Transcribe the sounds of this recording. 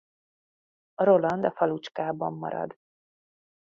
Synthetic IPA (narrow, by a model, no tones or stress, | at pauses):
ɾo̞lɒnd̪ɒfɒlut͡ʃkaːbɒmːɒ̰ɾɒ̰d̪